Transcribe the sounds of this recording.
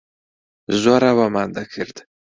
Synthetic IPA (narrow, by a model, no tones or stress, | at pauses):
zwaɾawamand̪akʰəɾd̪